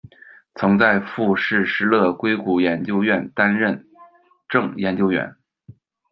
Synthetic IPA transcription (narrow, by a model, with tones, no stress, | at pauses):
t͡sʰɤ˧˥ŋt͡sa˥˧ɪfu˥˧ʂɻ̩˥˩ʂɻ̩˥˧lɤ˥˩kwe˥ɪku˧˥˩jɛ˧˥nt͡ɕjo˥ʊɥɛ˥˩nt̪a˥nɻə˥˧n | ʈ͡ʂɤ˥˩ŋjɛ˧˥nt͡ɕjo˥ʊɥɛ̰˧˥n